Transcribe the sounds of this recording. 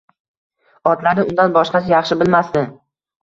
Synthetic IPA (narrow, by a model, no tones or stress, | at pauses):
ɒt̪laɾnɪʊnd̪anbɒʃqɑsɪjɑχʃɪbɪlmast̪ɪ